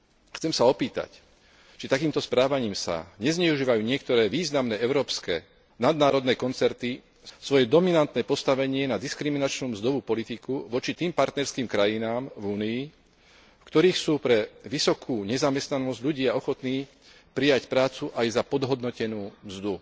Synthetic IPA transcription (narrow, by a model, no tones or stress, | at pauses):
xt͡sɛmsaɔpiːt̪a̰c | t͡ʃit̪akiːmt̪ɔspɾaːʋaɲiːmsa̰ɲɛzɲɛuʒiːʋajuːɲɪɛkt̪ɔɾɛːʋiːznamnɛːɛʊɾɔːpskɛː | nad̪naːɾɔd̪nɛːkɔnt͡sɛɾt̪i | sʋɔjɛd̪ɔminant̪nɛːpɔst̪aʋɛɲɪɛnad̪iskɾiminat͡ʃnuːmzd̪ɔʋuːpɔlit̪ikuʋɔt͡ʃit̪iːmpaɾt̪nɛɾskiːmkɾajinaːmvuːniː | fkt̪ɔɾiːxsuːpɾɛʋisɔkʰuːɲɛzamɛst̪nanɔzɟʎuɟɪaɔxɔt̪niː | pɾijacpɾaːt͡suʔajzapɔd̪ɦɔd̪nɔcɛnuːmzd̪u